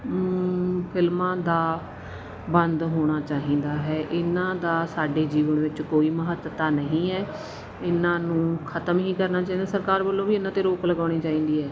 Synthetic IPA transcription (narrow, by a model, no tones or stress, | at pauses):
pʰɪlmãːd̪aː | bənd̪ɦoːɽ̃aːt͡ʃaːɦĩːnd̪aːɦɛːʔɪnãːd̪aːsaːɖeːd͡ʒiːʋənʋɪt͡ʃkoːiːməɦət̪t̪aːnəɦĩːɛː | ɪnãːnũːkʰət̪əmɦĩːkəɾnaːt͡ʃaːiːnd̪aːsəɾkaːɾbəlːõːbiːɪnãːt̪eːɾoːkləɡaːɽ̃iːt͡ʃaːĩːnd̪iːɦɛː